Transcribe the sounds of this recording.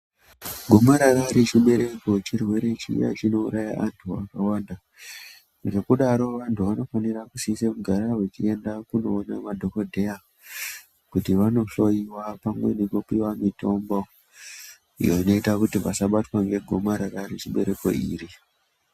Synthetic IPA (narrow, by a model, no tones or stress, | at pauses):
ɡʱo̞maɾaɾaɾit͡ʃiɓe̞ɾe̞ko̞t͡ʃirwe̞ɾe̞t͡ʃḭja̰t͡ʃino̞uɾaja̰ʔantʰua̰kawaːnda | ʐe̞kuɗaɾo̞ʋantuʋano̞fanirakusisemuɡʱaɾaɦwet͡ʃie̞ndakuno̞ːnamadʱo̞kodʱea | kutiʋano̞ɬo̞iwapamwe̞nekopiwamito̞mbo | ḭjoino̞itakutiʋasaɓatwaŋɡe̞ɡʱo̞maɾaraɾit͡ʃiɓe̞̰ɾe̞ko̞̰ḭːɾi